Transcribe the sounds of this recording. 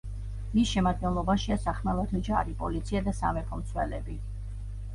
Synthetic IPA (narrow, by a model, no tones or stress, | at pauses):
misʃɛmad̪̚ɡɛnlˠɔbaʃiasaχmɛlˠat̪ʰɔd͡ʒa̰ɾipʼɔ̰lit̪sʰiad̪asa̰mɛpʰɔmt̪sʰwɛ̰lɛbi